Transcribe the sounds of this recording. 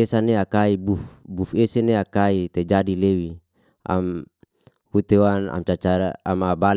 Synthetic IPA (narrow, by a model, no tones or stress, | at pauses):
esaneakaibufbufeseneakait̪ed͡ʒadilewi | a̰m | hut̪ewana̰mt͡ʃat͡ʃaɾaamabal